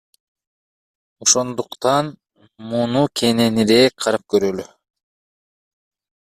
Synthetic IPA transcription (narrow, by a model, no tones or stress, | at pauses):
o̞ʃo̞nd̪uqt̪ɑn | munukʲʰe̞ne̞niɾekʲqʰɑɾɯp̚køɾøly